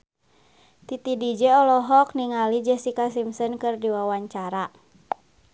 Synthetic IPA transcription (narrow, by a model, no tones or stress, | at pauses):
t̪it̪idid͡ʒɛɔlɔɦɔk̚niŋalid͡ʒɛsikasimsənkɨrdiwawaɲt͡ʃaɾa